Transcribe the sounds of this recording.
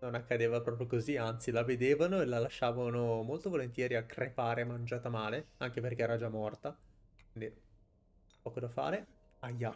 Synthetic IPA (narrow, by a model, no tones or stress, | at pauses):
nonakːad̪eːvapɾɔpɾjokoziant̪silaved̪eːvanoelalaʃːaːvanomolt̪ovolent̪jɛːɾiakrepaːɾeamːand͡ʒaːt̪amaːleaŋkeperkeɛːɾad͡ʒamːɔrt̪a | kwkind̪i | pɔːkod̪afa̰ːɾe | ajːa